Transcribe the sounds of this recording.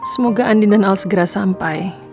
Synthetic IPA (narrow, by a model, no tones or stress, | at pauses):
səmoɡaʔandindanalsəɡəɾasampaj